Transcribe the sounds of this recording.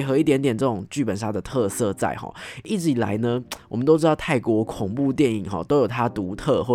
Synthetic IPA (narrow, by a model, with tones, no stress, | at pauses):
xɤ˧˥i˥˩t̪jɛ˧˥nt̪jɛ˨˩nʈ͡ʂɤ˥˩ʈ͡ʂʊ˨˩ŋt͡ɕy˥˩pə˨˩nʂa˥˩d̪ə˩t̪ʰɤ˥˧sɤ˥˧t͡sa̰˥˩ɪxɔ̰˨˩i˥˩t͡ɕ̩˧˥i˨˩la̰˧˥ɪnə˧wɔ˨˩mə˦nt̪o˥ʊʈ͡ʂɻ̩˥t̪ɑ˥˧ʊt̪ʰa˥˩ɪkwɔ˧˥kʰʊ˨˩ŋpu˥˧t̪̬jɛ˥˩nḭ˨˩ŋxɔ̰˨t̪o˥ʊjo˨˩ʊt̪ʰa˦˥t̪u˧˥t̪ʰɤ˥˧xwɔ˥˩